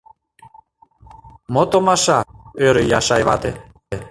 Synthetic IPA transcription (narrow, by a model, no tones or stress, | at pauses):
mot̪omɑʃɑøɾøjɑ̰ʃɑjβɑ̰t̪ḛ